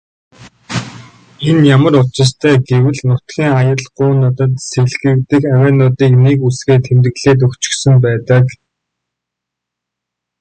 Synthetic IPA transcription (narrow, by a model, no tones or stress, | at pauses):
enjamə̆rʊt͡ɕɪ̆st̪ʰæːɡewɘ̆ɮnʊt̪ɡʲiːŋajə̆ɮɢʊːnə̆t̪ə̆t̪seɣɮɣɘ̆kt̪ɘ̆kaweːnt̪ʊt̪iːknekusɡeːt̪ʰemt̪ɘ̆ɣɮeːt̪̬ɵkt͡ɕɪ̥̆xsɘ̆mp̬æːt̪ə̆k